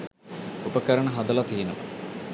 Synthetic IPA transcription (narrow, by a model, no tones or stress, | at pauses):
upəkəɾəɳəɦɐd̪ɐlɐt̪iːnəpɐ̥